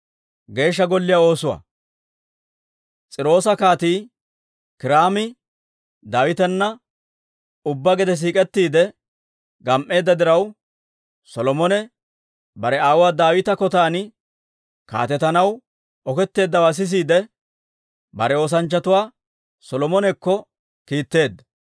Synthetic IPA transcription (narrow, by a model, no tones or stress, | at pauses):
ɡe̞ːʃ̬ːɐɡɔlːɪjao̞ːsʊwa̰ː | t͡sʼɪɾo̞ːsɐkaːt̪iː | kɪɾaːmɪ | d̪aːwɪt̪ɛnːɐ | ʊbːɐɡɛd̪ɛs̬iːkʼɛt̪ːiːd̪ɛ | ɡɐmʔːe̞ːd̪ːɐd̪ɪɾɐw | sɔlɔmɔnɛ | bɐɾɛaːwʊwaːd̪aːwɪt̪ɐkɔt̪aːnɪ | ka̰ːt̪ɛt̪ɐnɐw | ɔkɛt̪ːe̞ːd̪ːɐwaːs̬ɪs̬iːd̪ɛ | bɐɾɛo̞ːs̬ɐnt͡ʃːɐt̪ʊwaː | sɔlɔmɔnɛkːɔ | kiːt̪ːe̞ːd̪ːɐ